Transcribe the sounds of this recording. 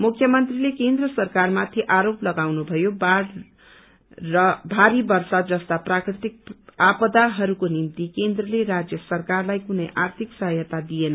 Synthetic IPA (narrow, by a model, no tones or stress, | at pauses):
mukʰːjʌmʌnt̪rilekend̪rʌsʌrkarmat̪ʰiʔaɾoplʌɡawnubʱʌjobɽ | ʌbʱaɾibʌrsad̪d͡zʌst̪aprakrit̪ik̚apʌd̪aɦʌɾukonimt̪ikend̪rʌleɾad͡zjʌsʌrkarlajkunʌjʔart̪ʰiksʌɦʌjʌt̪ad̪ijenʌ